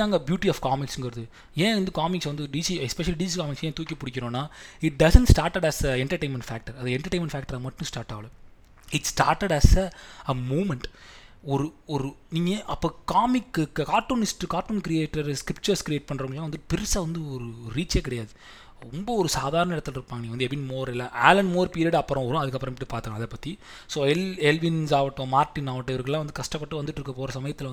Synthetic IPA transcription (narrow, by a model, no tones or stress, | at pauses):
aːŋɡɐbjuːʈiɐːfkaːmɪksɯŋɡɐɾɐðɯ | ẽːʋɐnd̪ɯkaːmɪksʋɐnd̪ɯɖisiɛspɛʃɐliɖisikaːmɪksẽːt̪uːkʲːɐpːʊɽɪkʲːɪɾõːnːaːɪʈ̚ɖɐsɛɳʈsʈaːɾʈɐɽɐsɛɳʈɐɾʈeɪnmɛ̃ɳɖfæːk̚ʈɐɾɐðɐɛɳʈɐɾʈːeːnmɛɳɖfæːk̚ʈɐɾaɡɐmɐʈːɯ̃sʈaːɾʈːaːʋɐlɐ̃ | ɪʈsʈaːɾʈeɽɐsɐmuːmɛɳʈ | ɔɾɯɔɾɯniːŋɡɐʔɐpːoːkaːmɪkːkaːʈːoːnɪsʈkaːʈːuːnkɾɪjeːʈːɐɾskɾɪpt͡ʃɐɾskɾɪeːʈ̚pɐɳːɾɐʋŋɐɭːãːʋɐnd̪ɯʈːɯpɪɾɪsaːʋɐnd̪ɯɔɾɯɾiːt͡ʃːeːkɪɽɐjaːðɯ | ɾɔmbɐɔɾɯsaːðaːɾɐɳɐɪɽɐt̪ːɯlɪɾɯpːaːŋɡɐnĩŋɐnd̪ɛbɪnmoːɾɛlːãːʔaːlɐnmoːɾpiːɾiɐɽɐpːɾɔ̃ɔɾʊ̃ɐðɯkːɐpːɐɾɐ̃mɪʈːɯpaːɾt̪ɯklãːɐðɛpɐt̪ːi | soːɛlɛlʋɪnsaːʋɐʈːõmaːɾʈːɪnaːʋɐʈːʋɐɾkɐɛlaːʋɐnd̪ɯkɐʂʈɐpːɐʈːɯʋɐnd̪ɯʈːɪɾɯkːɐpoːɾɐsɐmɐjɐt̪ːɪlɐʋɐ